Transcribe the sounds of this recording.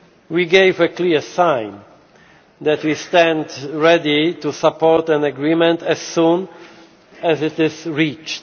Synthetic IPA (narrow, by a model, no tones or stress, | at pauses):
wiɡejvəkliɹsãjn | d̪ɛt̪wist̪ɛ̃ndɹɛdit̪usapːɔɹt̪æ̃naɡɹimɛ̃nt̪ɛz̥sũn | ɛzɪt̪ɪzɹit͡ʃt